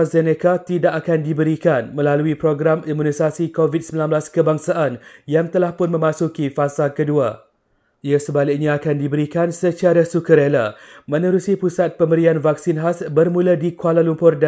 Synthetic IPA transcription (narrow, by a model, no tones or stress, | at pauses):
zenekat̪idakakandibəɾikanmə̃laluipɾoɡɾamimũnisasikovid̚səmbilanblaskəbaŋsaʔanjaŋt̪əlahpʊnmə̃mãsukifasakədua̰ | iasəbalɪk̚ɲãːkandibəɾikansət͡ʃaɾasukəɾelamə̃nəɾusipusat̪̚pəmbəɾianvaksinɦasbərmũladikualalumpʊrd